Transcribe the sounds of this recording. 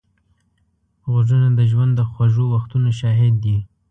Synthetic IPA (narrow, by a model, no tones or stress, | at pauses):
ɣozənad̪əʒwand̪ːəxwaʒowaxt̪unaʃɑɦɪd̪ːi